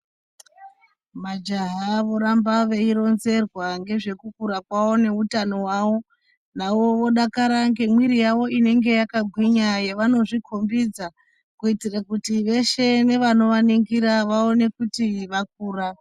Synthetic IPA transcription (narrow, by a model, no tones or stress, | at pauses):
mad͡ʒaɦaʋo̞ɾambaʋeiɾo̞nze̞rwaŋɡe̞ʐe̞kukuɾakwawo̞ne̞utano̞waʋo̞ | naʋo̞ʋo̞ɗakaɾaŋɡe̞mwiɾijaʋo̞ine̞ŋɡe̞jakaɡʱwiɲajeʋano̞ʐikʰo̞mbid͡za | kuitirakutiʋe̞ʃe̞ne̞ʋano̞ʋaniŋɡiɾaʋao̞ne̞kutiʋak̚uːra